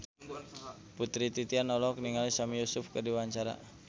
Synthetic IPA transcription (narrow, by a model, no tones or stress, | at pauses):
put̪ɾit̪it̪ianɔlɔkniŋalisamijusʊfkərdiwaɲt͡ʃaɾa̰